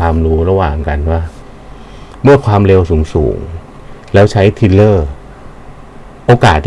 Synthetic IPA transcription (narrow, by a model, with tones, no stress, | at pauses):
aː˧mɾuː˦˥ɾa˧waː˨˩ŋka˧nwaː˥˩ | mɯ˥˩ɐkʰwaː˧mɾe˧wsuː˩˦ŋsṵː˩˦ŋ | lɛː˦˥wt͡ɕʰa˦˥jt̪ʰi˧lɤː˥˩ | ʔoː˧kaː˨˩t̪ʰː